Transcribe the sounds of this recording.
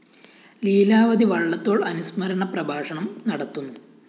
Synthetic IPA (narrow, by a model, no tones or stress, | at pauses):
liːlaːʋɐd̪iʋɐɭːɐt̪ːo̞ːɭɐnusmɐɾɐɳɐprɐbʱaːʂɐɳɐmnɐɽɐt̪ːunːu